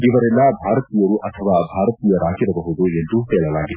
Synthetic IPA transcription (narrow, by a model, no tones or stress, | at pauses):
iʋɐɾɛlːɐbʱaːɾɐt̪ijɐɾuʔɐt̪ʰɐʋaːbʱaːɾɐt̪iːjɐɾaːkiɾɐbɐɦud̪ue̞nd̪uɦɛːɭɐlaːɡid̪u